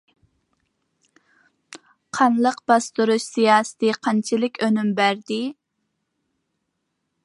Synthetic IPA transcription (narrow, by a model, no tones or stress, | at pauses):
qʰɑnlˠəqbɑst̪uɾuʃsijɑːsɨ̥t̪ʰɨqʰɑnt͡ʃʰilɪkʲʰønymbæɾd̪ɪ